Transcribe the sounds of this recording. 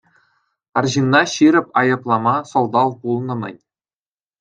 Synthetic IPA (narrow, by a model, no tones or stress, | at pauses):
ɑrʑinːɑɕiɾʲɘ̆pʲɑjɤ̆plˠɑmɑsŏlˠd̪ɑlˠpulˠnɤ̆mʲɘ̰̆nʲ